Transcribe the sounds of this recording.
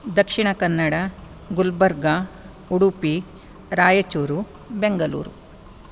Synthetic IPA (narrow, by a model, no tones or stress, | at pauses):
d̪ɐkʂiɳɐkɐnːɐɽɐ | ɡulbɐɾɡɐ | uɽupi | ɾaːjɐt͡ʃuːɾu | beŋɡɐlṵːɾu